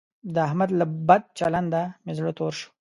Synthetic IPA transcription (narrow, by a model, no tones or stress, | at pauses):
d̪əahmad̪labad̪̚t͡ʃaland̪amɪzlot̪oɾʃu̥